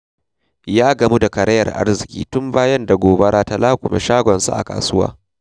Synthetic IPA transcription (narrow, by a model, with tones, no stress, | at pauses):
jaː˦ɡɐ˨mu˦da˨kɐ˨ɾɐ˦jɐ˨rʔa̰˦rzɪ˨kʲḭː˦tʊ˦mbaː˦jɐ˦nda˨ɡʷoː˨bɐ˦ɽaː˦ta˦laː˦kʷʊ̰˨mḛ˨ʃaː˦ɡʷɔ˨nsṵ˦ʔa̰˨ka̰ː˨sʊ˦wa̰ː˦